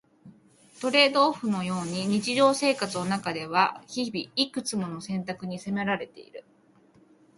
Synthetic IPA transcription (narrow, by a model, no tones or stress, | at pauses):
t̪o̞ɾe̞ːd̪o̞ːɸɯ̟no̞jo̞ːɲ̟iɲ̟it͡ɕiʑo̞ːse̞ːkat͡sɨno̞nakad̪e̞βaçibʲiikɯ̟t͡sɨmo̞no̞sẽ̞nt̪akɯ̟ɲ̟ise̞me̞ɾaɾe̞t̪e̞̰ḭɾɯ̟